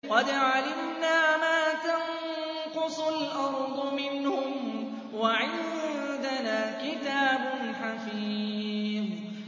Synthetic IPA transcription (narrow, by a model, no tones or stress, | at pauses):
qɑd̪ʕalɪmnaːmaːt̪aŋ | qʊsˤʊlʔɑɾˤd̪ˤʊmɪnhʊm | waʕɪnd̪anaːkɪt̪aːbʊnħafiːm